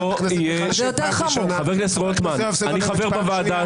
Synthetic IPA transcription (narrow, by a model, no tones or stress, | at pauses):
o | je | jot̪eʁχamoχaveʁlesʁot̪man | aniχaveʁbavaːd̪a